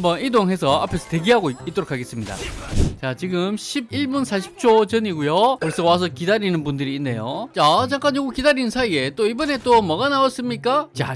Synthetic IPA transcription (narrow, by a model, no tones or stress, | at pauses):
mbʌnidoŋɦe̞sʰʌapʰe̞sʰʌteɡiɦaɡoit͈ʌɾokʰaɡe̞s͈ɯmɲida̰t͡ɕat͡ɕiɡɯmɕʰibiɭbunsʰaɕʰi̥p̚t͡ɕʰot͡ɕʌɲiɡujoʌɾis͈ʰʌwas̬ʰʌkidaɾinɯnbundɯɾiːnːe̞jot͡ɕat͡ɕaŋk͈aɲoɡokidaɾinnsʰaie̞t͈oibʌne̞t͈omʌɡanawʌs͈ɯmɲik͈at͡ɕa